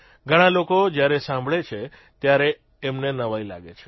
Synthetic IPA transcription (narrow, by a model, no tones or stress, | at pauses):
ɡʱəɽ̃ãlokod͡ʒjaɾesãmbʱɭet͡ʃʰe | t̪jaɾeː | mnenəʋaila̰ɡet͡ʃʰe̥